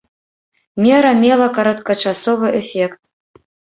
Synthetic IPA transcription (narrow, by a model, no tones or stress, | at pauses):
mʲeɾɐmʲelˠɐkɐɾɐt̪kɐt͡ʃasovɨʔefʲekt̪